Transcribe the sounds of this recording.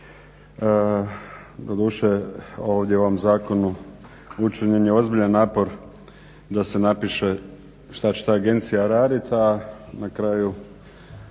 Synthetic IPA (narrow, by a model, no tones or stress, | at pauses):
d̪od̪uːʃeo̞ːʋd̪ʲjeuo̞ʋomzaːko̞nu | ut͡ʃiɲenjeo̞zbiʎanːaːpo̞ɾ | d̪ase̞napiʃe̞ | ʃt̪at͡ɕet̪aːɡe̞nt̪sijaɾaːd̪it̪anakɾaːju